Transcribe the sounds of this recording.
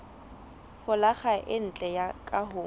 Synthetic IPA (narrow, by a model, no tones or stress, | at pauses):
fʊlaχaʔɪn̩t͡ɬʼɛjakʼaɦʊː